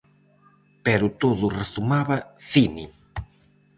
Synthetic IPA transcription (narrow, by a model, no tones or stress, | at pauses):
pɛɾʊt̪oðʊresumaβɐθini